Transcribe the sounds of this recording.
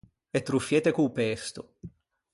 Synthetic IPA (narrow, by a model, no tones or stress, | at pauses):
et̪ːɾufːjeːt̪ekuːpest̪o